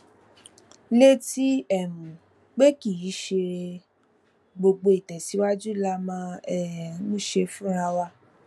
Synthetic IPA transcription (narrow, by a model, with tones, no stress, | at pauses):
le˦ti˦ɛ˦˨mũ˨ | k͡pe˦ki˦˨i˨˦ʃe˧ | ɡ͡bo˧ɡ͡bo˧i˨tɛ˨si˨˦wa˦d͡ʒu˦˨la˧mã˧ɛ˨˦nũ˦ʃe˧fũ˦ɾ̃a˧wa˧